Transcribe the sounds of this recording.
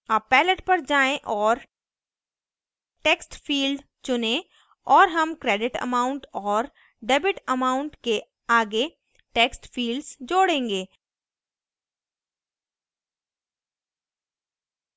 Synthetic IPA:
aːpːɛːləʈpɐɾd͡ʒaːẽʔɔːɾ | ʈeːksʈfiːlɖ | t͡ʃʊnẽ | ɔːɾɦɐmkɾɛːɖɪʈə̰maːʊ̃ɳʈɔːɾ | ɖɛːbɪʈəmaːʊ̃ɳʈke | aːɡe | ʈeːksʈfiːlɖzd͡ʒoːɽẽːŋɡeː

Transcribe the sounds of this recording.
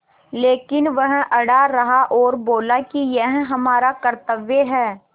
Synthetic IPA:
leːkɪnʋɐɦʔɐɽaɾɐɦaʔɔːɾboːlakijɛɦɦɐmaːɾakɐɾt̪əʋjəɦɛː

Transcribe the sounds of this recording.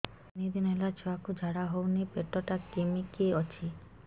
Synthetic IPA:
nid̪inelat͡ʃʰoakud͡ʒʱaɽaɦownipeʈɔʈakimikiɔt͡ʃʰi

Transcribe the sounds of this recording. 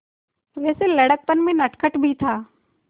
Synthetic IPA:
ʋɛːseləɽək̚pənmẽnəʈʰkʰəʈbʱit̪ʰaː

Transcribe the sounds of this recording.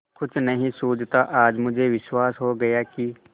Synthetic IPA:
kʊt͡ʃʰnɐɦĩsoːd͡ʒt̪aʔaːd͡ʒmʊd͡ʒʱeʋɪʃwaːsɦoɡɐjaki

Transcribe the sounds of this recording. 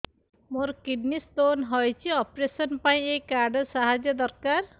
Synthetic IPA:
moɾkiɖnist̪onɦɔjt͡ʃʰiɔpɾesɔnpaĩekːaɾɖəsaɦad͡ʒjəd̪ɔɾkaɾ

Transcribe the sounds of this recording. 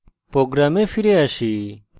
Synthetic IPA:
pɾoːɡɾaːmefʰiɾeaʃi

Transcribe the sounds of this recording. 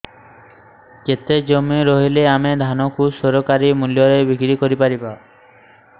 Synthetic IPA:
ket̪ed͡ʒomiɾɔɦileamed̪ʱanɔkʰusɔɾokaɾimuljɔɾebikɾikoɾipaɾiba

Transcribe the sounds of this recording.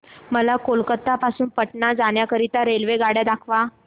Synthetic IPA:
məlakolkət̪ːapasuːnpəʈɳad͡zaɳjakəɾit̪aɾelʋeɡaɽjad̪akʰʋa

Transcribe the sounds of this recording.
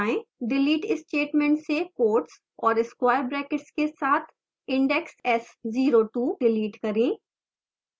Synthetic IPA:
aẽɖɪliːʈɪsʈeːʈmɛ̃ɳʈsekoːɾʈs | ɔːɾɪskwaːjəɾbɾɛːkɪʈskesaːt̪ʰ | ɪ̃ɳɖɛksɛsziːɾoːʈuːɖɪliːʈkɐɾẽː

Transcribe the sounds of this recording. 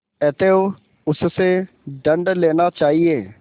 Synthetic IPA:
ɛt̪eːoː | ʊsseː | ɖəɳɖleːnaːt͡ʃaːɦieː

